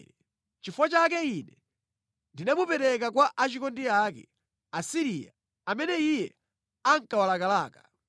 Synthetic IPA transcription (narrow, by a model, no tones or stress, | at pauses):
ɾɛ | t͡ʃifwat͡ʃak̬ɛinɛ | ndinamupɛɾɛk̬ak̬waʔat͡ʃikɔndiakɛ̰ | asiɾija̰ | amɛnɛijɛ | aŋkawalakalaːka